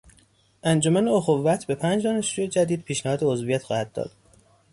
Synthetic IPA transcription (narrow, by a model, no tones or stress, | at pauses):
ʔænd͡ʒomæneoxovːæt̪ʰbe̞pʰænd͡ʒd̪ɒːneʃɾujed͡ʒæd̪iːd̪̥̚pʰiːʃnæhɒːd̪eozvijæt̪xɒːhæd̪̚ːɒ̰ːd̪̥̚